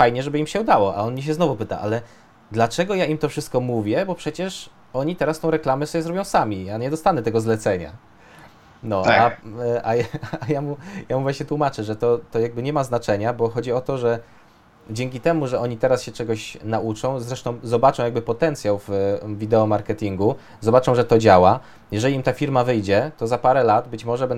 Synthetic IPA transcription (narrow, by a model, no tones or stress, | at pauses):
fajɲɛʐɛbɘimɕɛud̪awɔʔa̰ɔnmʲiɕ̬ɛznɔvupɘt̪a̰ʔalɛ | d̪lat͡ʂɛɡɔjaimt̪ɔfʂɘɨst̪̚kɔmuvʲjɛbɔpʂɛt͡ɕɛʂ | ɔɲit̪ɛɾast̪ɔ̃w̃ɾɛklamɛsɔbjɛzɾɔbʲjɔ̃w̃samʲiaɲɛd̪ɔst̪anɛt̪ɛɡɔzlɛt̪sɛɲa̰ | nɔaʔajajamujamuvaɲɛt̪wumat͡ʂɛʐɛt̪ɔt̪ɔjaɡ̚bɘɲɛmaznat͡ʂɛɲabɔxɔd͡ʑiɔt̪ɔʐɛ | d͡ʑɛŋʲkʲit̪ɛmuʐɛɔɲit̪ɛɾasɕɛt͡ʂɛɡɔɕnaʔut͡ʂɔ̃w̃zɾɛʂt̪ɔ̃w̃zɔbat͡ʂɔ̃wjaɡbɘpɔt̪ɛnt̪sʲjawvvʲid̪ɛɔmaɾkɛt̪ʲiŋɡu | zɔbat͡ʂɔ̃w̃ʐɛt̪ɔd͡ʑawa | jɛʐɛlʲiimt̪afʲiɾmavɘjd͡ʑɛt̪ɔzapaɾɛlad̪bɘt͡ɕmɔʐɛbɛ